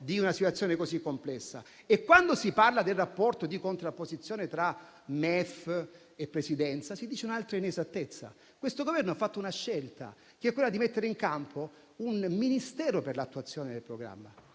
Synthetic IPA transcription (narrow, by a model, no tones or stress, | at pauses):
d̪iunasit̪wat̪sːjoːnekozikːomplɛsːa̰ | ekːwand̪osiparlad̪elrapːɔrt̪od̪ikont̪ɾapːozit̪sːjoːnet̪ɾa | mɛf | epːɾesid̪ɛnt̪sasid̪iːt͡ʃeunalt̪ɾainezat̪ːet̪sːa̰ | kwest̪oɡovɛrnoafːat̪ːounaʃːelt̪a̰ | keɛkːwelːad̪imet̪ːeɾeiŋkampʰo | unminist̪ɛːɾoperlat̪ːuat̪sːjoːned̪elpɾoɡɾa̰mːa̰